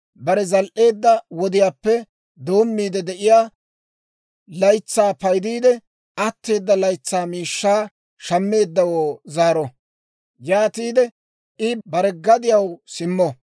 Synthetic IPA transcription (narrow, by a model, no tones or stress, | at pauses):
bɐɾɛzɐlʔe̞ːd̪ːɐwɔd̪ɪjaːpːɛ | d̪o̞ːmːiːd̪ɛd̪ɛʔɪjaː | lɐjt͡sːaːpɐjd̪iːd̪ɛ | ɐt̪ːe̞ːd̪ːɐlɐjt͡sːaːmiːʃːaː | ʃɐmːe̞ːd̪ːɐwoːzaːɾɔ | jaːt̪iːd̪ɛ | ʔɪbɐɾɛɡɐd̪ɪjɐwsɪmːɔ